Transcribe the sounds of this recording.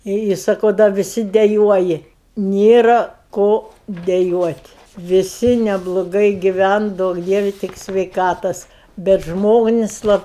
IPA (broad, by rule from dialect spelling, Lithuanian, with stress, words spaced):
ɪ ɪ sɐˈkɐʊ dɐ ʋʲɪˈsʲɪ dʲɛˈjuɔjɪ ˈnʲeːrɐ ˈkoː dʲɛˈjuɔtʲ ʋʲɪˈsʲɪ nʲɛblˠoːˈɡɐɪ ɡʲɪˈʋʲɛn ˈduɔk ˈdʲiɛʋʲɪ ˈtʲɪk sʲʋʲɛɪˈkɑːtoːs bʲɛt ˈʒmoːnʲɪsʲ ˈlˠɐp